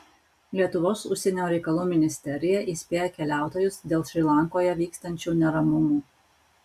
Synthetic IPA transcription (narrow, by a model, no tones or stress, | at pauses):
lʲiɛt̪ʊʋoːsʊʃʲsʲɛnʲoːɾʲɛɪkɐlˠuːmʲɪnʲɪsʲt̪ʲɛɾʲɪjɛʔiːsʲpʲeːjɛkʲɛlʲæˑʊt̪oːjʊsd̪ʲeːlˠʃʲɾʲiːlˠɐŋkoːjɛʋʲiːkst̪ɐnʲt͡ʃʲuːnʲɛɾɐmʊmuː